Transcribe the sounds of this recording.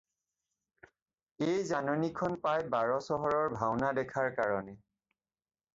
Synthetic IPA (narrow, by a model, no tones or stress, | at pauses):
ejzanonikʰɔnpajbaɹɔsɔɦɔɹɔɹbʱawnadɛkʰaɹkaɹɔnɛ